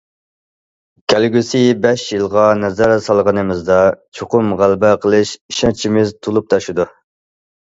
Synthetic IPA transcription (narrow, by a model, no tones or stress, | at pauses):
kʲʰælɡʲysɪbɛʃjɨlˠʁɑnɛzæɾsɑlˠʁənɨmɪzd̪ɑt͡ʃʰoqʊmʁælbɛqʰəlˠɨʃiʃɑnt͡ʃʰimɪzt̪ʰolˠup̚t̪ʰɑʃud̪u